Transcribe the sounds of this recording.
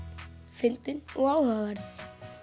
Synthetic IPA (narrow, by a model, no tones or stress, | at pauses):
fɪnt̪ɪnɔɣaːwhœɣavaɾð